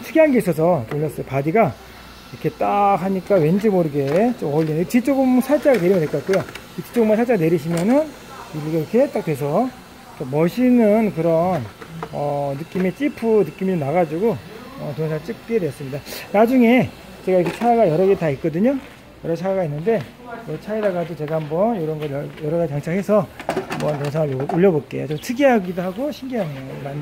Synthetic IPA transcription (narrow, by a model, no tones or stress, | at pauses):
t͡ɕʰɯɡiɦanɡeis͈ʌsʰʌtoɭːʌs͈ʌjopadiɡa | iɾʌkʰe̞t͈akɦaɲik͈awe̞nd͡ʑimoɾɯɡet͡ɕomʌʎːinit͡ɕit͡ɕ͈oɡɯmsʰat͡ɕ͈aɡane̞ɾimʌdeɭk͈oatk͈ujo | it͡ɕi̥t͡ɕ͈oɡɯmansʰat͡ɕ͈aɡane̞ɾiɕ̬ʰimjʌnɯn | iɾɡkʰet͈ak̚twe̞s̬ʰʌ | kamʌɕʰinɯnkɯɾʌnʌːɯk͈imet͡ɕ͈ipʰunɯk͈imid͡ʑomnaɣad͡ʑuɡoʌtoŋsʰaŋɯɭt͡ɕ͈ɯk̚k͈edejʌs͈ɯmɲidanad͡ʑuŋe̞ | t͡ɕe̞ɡaiʌkʰet͡ɕʰaaɡajʌɾʌɡetait̚k͈ʌdɯɲo | jʌɾʌt͡ɕʰaiɡainːɯnde̞ | ʌt͡ɕʰaidaɡadot͡ɕe̞ɡahambʌnjoɾʌnɡʌɾjʌjʌɾʌɡad͡ʑikaŋt͡ɕʰaŋɦhe̞sʰʌambʌntoŋsʰaŋɯɭooʎːʌbot̚k͈e̞̰jot͡ɕomtʰɯɡiɦaɡidoɦaɡoɕʰiŋɡiɦamʌman